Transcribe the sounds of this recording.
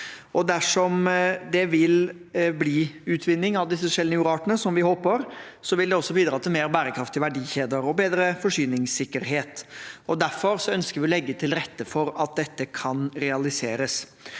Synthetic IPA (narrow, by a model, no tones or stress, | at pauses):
ʔɔd̪æʂɔmd̪ɛʋɪlbliːʉːt̪ʰʋɪnːɪŋɑʋd̪ɪsːəfɔʂɛlːnəʉːɾɑːʈənəsɔmʋɪhoːpəɾsɔʋɪld̪ɛɔsːɔbiːd̪ɾɑːt̪ʰɪlmeːɾbæːɾəkʰɾɑft̪ɪʋæɖiːçeːd̪əɾɔbeːd̪ɾəfɔʂyːnɪŋsɪkːəɾɦeːt̪ɔd̪æɾfɔɾsɔœnskəɾʋɪɔlɛɡːət̪ʰɪlɾɛt̪ːəfɔɾɑt̪̚d̪ɛt̪ːəkʰɑnɾɛɑlɪseːɾəs